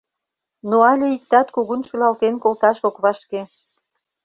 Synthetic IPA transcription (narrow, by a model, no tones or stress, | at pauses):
noɑlʲeik̚t̪ɑt̪kuɣunʃylɑlt̪enkolt̪ɑʃokβɑʃke